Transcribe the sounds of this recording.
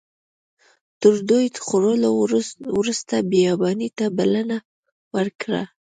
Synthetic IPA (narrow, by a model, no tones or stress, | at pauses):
t̪əɾd̪ojd̪əxoɾolowɾust̪abejɑbɑnit̪abalana | wəɾkɽa̰